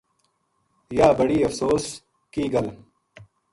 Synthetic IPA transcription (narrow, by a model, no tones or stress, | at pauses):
jaːbɐɽiːɐfsoːs | kiːɡɐl